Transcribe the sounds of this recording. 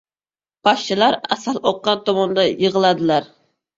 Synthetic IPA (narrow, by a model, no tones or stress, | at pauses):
b̥ɑʃt͡ʃʰilˠɑɾɛsɑlˠoqːɑnt̪omund̪ɑjəʁəlˠɑd̪ɨlˠɑɾ